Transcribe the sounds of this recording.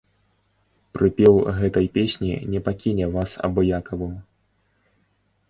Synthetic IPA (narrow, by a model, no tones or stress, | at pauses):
pɾɨpʲɛwɣɛt̪ɐjpʲesʲnʲḭnʲɛpakʲinʲɛvasɐ̰bɔjakɐvɨm